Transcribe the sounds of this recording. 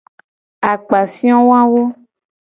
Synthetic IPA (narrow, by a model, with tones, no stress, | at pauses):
a˨k͡pa˨fĩ˦ɔ̃˦wa˦wo˦